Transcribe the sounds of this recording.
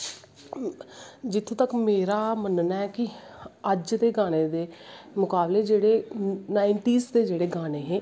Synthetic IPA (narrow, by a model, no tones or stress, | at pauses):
d͡ʒɪt̪ʰːũːt̪əkmeːɾaːmənnaːɛkɪ | əd͡ʒd̪eːɡaːneːd̪eː | mʊkaːbleːd͡ʒeːɽeːnaːɪɳʈiːsd̪eːd͡ʒeːɽeːɡaːneːɦɛ̃ː